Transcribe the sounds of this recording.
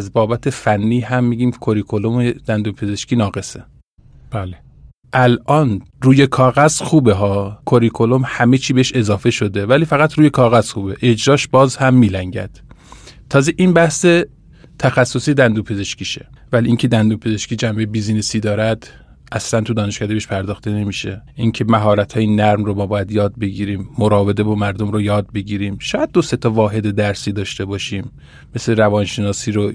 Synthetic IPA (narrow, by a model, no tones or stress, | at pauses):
æzbɒːbæt̪ʰe̞fænːiːɦæmːiːɟiːmkʰoɾikʰolomed̪̥ænd̪uːmpʰe̞ze̞ʃkiːnɒːɣe̞se | b̥æle | ʔælʔɒːnɾuːjekʰɒːɣæzxuːbeɦɒːkʰoɾikʰo̞lomhæmet͡ʃʰiːbeeʃe̞zɒːfe̞ʃod̪e̞væliːfæɣæt̪ʰɾuːjekʰɒːɣæz̥xuːbe̞ʔed͡ʒɾɒːʃbɒːzhæmːiːlæŋɟæ̰d̪̥ | t̪ʰːɒːzeʔiːnbæhse | t̪ʰæxæsːosiːd̪ænd̪uːpʰeze̞ʃkiːʃevæliiːŋcʰe̞d̪ænd̪upʰeze̞ʃkiːd͡ʒæmbejbizinisiːd̪ɒːɾæd̪̥ | ʔæslænt̪ʰud̪ɒːneʃkʰæːd̪ebeʃpʰæɾd̪ɒːxt̪e̞ne̞miːʃeʔiŋcʰe̞mæɦɒːɾæt̪ʰhɒːjenæɾmromɒːbɒːjæd̪jɒːd̪̚be̞ɟiːɾiːmːoɾɒːvezebɒːmæɾd̪omɾojɒːd̪̚be̞ɟiːɾiːmʃɒːjæd̪̚ːose̞t̪ʰɒvɒːɦe̞d̪ed̪æɾsiːd̪ɒːʃt̪e̞bɒːʃiːmː | e̞sleɾævɒːnʃe̞nɒːsiːɾo